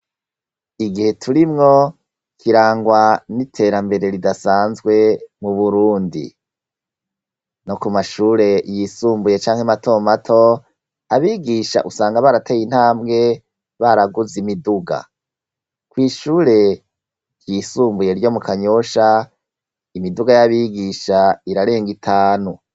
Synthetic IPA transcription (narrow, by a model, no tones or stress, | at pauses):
iɡihe̞tʰuɾimŋo̞ | kʰiɾaːŋɡwanitʰe̞ɾambe̞ɾe̞ɾidasaːnzɡwe̞muβuɾuːndḭ | no̞kumaʃuːɾe̞jisuːmbuje̞t͡ʃaːŋhematʰo̞ːmatʰo̞ | aβiɡiʃa̰ʔusaːŋɡaβaɾatʰeːjin̥haːmbɡe̞ | βaɾaɡuzimiduɡa̰ | kwiːʃuːɾe̞ | ɾjisuːmbuje̞ɾjo̞mukaɲo̞ʃa | imiduɡajaβiːɡiʃaiɾaɾe̞ːŋɡitʰaːnu